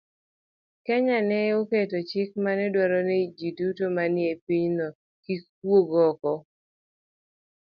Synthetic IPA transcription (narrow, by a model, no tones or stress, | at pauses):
kɛɲanɛoketot͡ʃɪk̚manɛdwaɾɔnɛid͡ʒidutomanɪepiɲnɔ | kik | woɡɔkɔ